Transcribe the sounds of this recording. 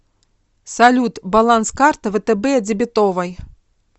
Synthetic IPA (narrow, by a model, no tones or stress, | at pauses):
salʲut̪balˠanskart̪ɐvɛt̪ɛbɛd͡zʲɪbʲɪt̪ɔvɐj